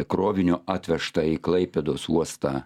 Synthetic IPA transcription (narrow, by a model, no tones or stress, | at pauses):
kɾoːʋʲɪnʲʊɑːt̪ʲʋʲɛʃt̪ɐiːklˠɐɪpʲɛd̪oːsuɔst̪ɑː